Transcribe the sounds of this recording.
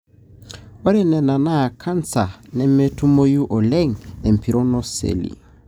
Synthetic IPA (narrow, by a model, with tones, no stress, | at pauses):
o˦ɾɛ˦nɛ˨na˨na˦˨kʰa˦nt͡sa˨nɛ˦me˦tu˦mo˦ju˦ʔɔ˨lɛ˦ŋɛ˨m̩˨pʰi˨ɾɔ˦nɔ˦sḛ˨lḭ˨